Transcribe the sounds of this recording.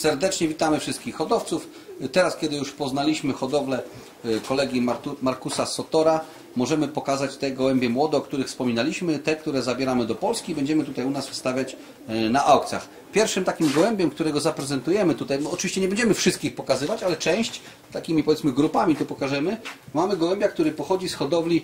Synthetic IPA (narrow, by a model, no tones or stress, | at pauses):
sɛɾd̪ɛt͡ʂɲɛvʲit̪amɘfʂɘst̪kʲixːɔd̪ɔft̪suf | t̪ɛɾaskʲɛd̪ɘjuʂpɔznalʲiɕmɘxɔd̪ɔvlɛ | kɔlɛɡʲimaɾkusasɔt̪ɔɾa | mɔʐɛmɘpɔkazat͡ɕt̪ɛɡɔwɛmbʲjɛmwɔd̪ɛɔkt̪uɾɘxfspɔmʲinalʲiɕmɘt̪ɛk̚t̪uɾɛzabʲjɛɾamɘd̪ɔpɔlskʲibɛɲd͡ʑɛmɘt̪ut̪ajunasfst̪avʲjat͡ɕ | naʔawkt̪sʲja̰x | pʲjɛɾfʂɘmt̪akʲimɡɔwɛmbʲjɛmk̚t̪uɾɛɡɔzapɾɛzɛnt̪ujɛmɘt̪ut̪ajɔt͡ʂɨvʲiɕt͡ɕɛɲɛbɛɲd͡ʑɛmɘfʂɘst̪̚kʲixpɔkazɘvat͡ɕalɛt͡ʂɛ̃w̃ɕt͡ɕ | t̪akʲimʲipɔvʲjɛt̪smɘɡɾupamʲit̪upɔkaʐɛmɘmamɘɡɔwɛmbʲjakt̪uɾɘpɔxɔd͡ʑisxɔd̪ɔvlʲi